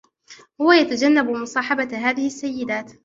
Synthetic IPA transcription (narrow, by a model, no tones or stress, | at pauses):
hʊwajat̪ad͡ʒanːabmʊsˤɑːħɑbaɦaːðɪhɪsːajːɪd̪aːt̪